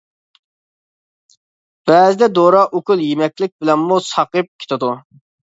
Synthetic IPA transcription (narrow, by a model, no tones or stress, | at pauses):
b̥ɛːzɪd̪ɛd̪oɾɑʔukʰulˠjemɛkʲlɪk̚ʲbɪlɛnmusɑqɨp̚kʲʰe̥t̪ʰɨd̪u